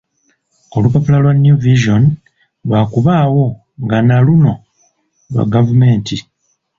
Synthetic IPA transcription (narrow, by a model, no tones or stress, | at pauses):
olupapulalwanjuviʒon | lwaːkuβaːwo̞ | ŋɡanaluno̞ | lwa̰ɡavume̞ːnti